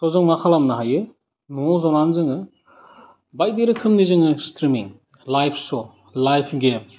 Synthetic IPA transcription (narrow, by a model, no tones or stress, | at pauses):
sʰɔwzɯŋmakʰalamnaɦajɯ | nɔzɔnanzɯŋɯ | bajdeɾɯkʰɯmnizɯŋɯstɾimiŋ | lajpʰsɔ | lajpʰɡem